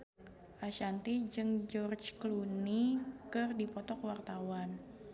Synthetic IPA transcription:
ʔaʃant̪id͡ʒɨŋd͡ʒɔrt͡ʃklunikɨrdipɔt̪ɔkwart̪awan

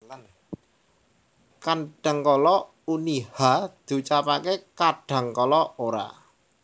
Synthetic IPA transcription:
kanɖ̥a̤ŋkɔlɔ | unihad̪̥ṳt͡ʃapakekaɖ̥a̤ŋkɔlɔoɾa̰

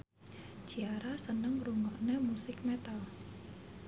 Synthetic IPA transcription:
d͡ʒ̥iaɾasənəŋruŋɔʔnemusɪkmet̪al

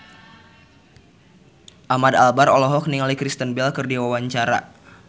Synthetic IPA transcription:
ʔamadalbarɔlɔɦɔk̚niŋalikɾist̪ənbɛlkɨrdiwawaɲt͡ʃaɾa̰

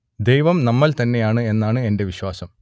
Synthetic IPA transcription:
d̪e̞jʋɐmnɐmːɐlt̪ɐnːe̞jaːɳɨe̞nːaːɳɨe̞nde̞ʋiɕwaːsɐm

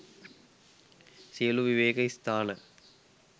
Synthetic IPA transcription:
sijəluʋiʋeːkɐist̪aːnə

